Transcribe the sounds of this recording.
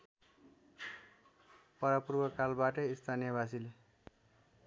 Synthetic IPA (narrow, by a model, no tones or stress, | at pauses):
pʌɾapurbʌkalbaʈʌist̪ʰanijʌbas̬ile